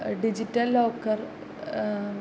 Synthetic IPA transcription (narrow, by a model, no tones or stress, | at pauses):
ɖid͡ʑitːɐlːoːkːɐr